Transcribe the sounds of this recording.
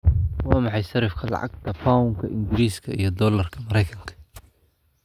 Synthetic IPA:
wɑːmɑħɑjsɐɾɪfkʰɐlɑ̰ʕɑ̰ɡt̪ʰɐfaːʊŋkʰɐʔɪŋɡɪɾiːskʰɐḭjɞd̪ɔːlɐrkʰɐmɐɾɛjkʰɐŋkʰɐ̥

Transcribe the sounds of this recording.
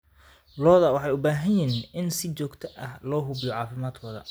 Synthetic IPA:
lɔːðɐwɑħɑjʊbaːɦɐnjɪɦinʔɪnsɪt͡ʃɔːɡt̪ʰɐʔɐhlɔːɦʊbjɔʕɑːfɪmaːd̪kʰɔːðɐ̰

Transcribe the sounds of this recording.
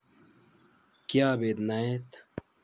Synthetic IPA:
kjaːbeːd̪naet̪

